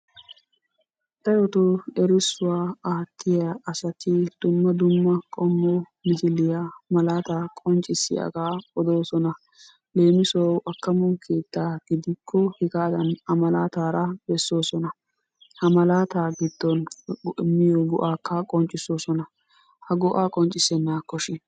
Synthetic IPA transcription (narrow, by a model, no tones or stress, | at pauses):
t̪ːɐjɔt̪oɛɾɪsːʊwaːaːt̪ʰːɪjɐʔɐsɐt̪ɪd̪̥ʊmːɐd̪ʊmːɐkʼɔmːo | mɪhɪlːɪjamɐlaːt̪aːkʼɔnt͡ʃʼɪsːɪ̰jɐ̰ɡaːɔd̪o̞ːsɔnɐ | le̞ːmɪsɔwʔɐkːɐmɔnkʰe̞ːt̪ːaːɡ̥ɪd̪ɪkʰːɔhɪɡaːd̪ɐnɐmɐlaːt̪aːɾɐbɛsːo̞ːsɔnɐ | hɐmɐlaːt̪aːɡɪd̪̥ːɔnɪmːɪjɔɡɔʔaːkːɐkʼɔnt͡ʃʼːɪso̞ːsɔnɐ | hɐɡɔʔaːkʼɔnt͡ʃʼɪsɛnːaːkːɔʃɪn